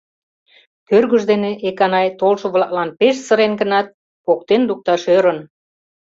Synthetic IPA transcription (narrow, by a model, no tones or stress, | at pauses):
køɾɣyʒd̪eneʔekɑnɑjt̪olʃəβlɑk̚lɑnpeʃsə̆ɾenɡə̆nɑt̪̚ | kok̚t̪enluk̚t̪ɑʃøɾə̆n